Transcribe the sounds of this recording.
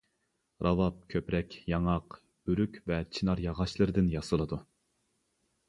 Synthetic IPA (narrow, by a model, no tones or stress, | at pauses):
ɾʔɑvɑp̚kʲʰøpɾɛkʲjɑŋɑq | b̥yɾykʲvɛt͡ʃʰinɑɾjɑʁɑʃlˠɨɾɨd̪ɪnjɑsɨlˠɨd̪u